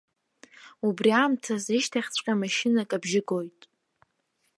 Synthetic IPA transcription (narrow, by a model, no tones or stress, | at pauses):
ubriamtʰaziʃtʰaχʲt͡sʷʼqʲʼamaʃɪnakʼabʒɪɡo̞jtʼ